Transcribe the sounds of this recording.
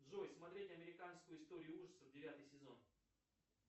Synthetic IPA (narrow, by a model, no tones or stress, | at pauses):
d̪ʐojsmɐt̪ɾʲetʲɐmʲɪɾʲɪkanskʊjʊɪst̪o̞ɾʲɪjʊuʐə̥səvdʲɪvʲat̪ɨjsʲɪzo̞̰n